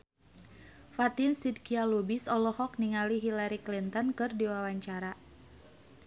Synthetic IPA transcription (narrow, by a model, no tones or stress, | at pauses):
fat̪insid̚kialubisɔlɔhɔk̚niŋaliɦilaɾiklint̪ɔnkɨrdiwawaɲt͡ʃaɾa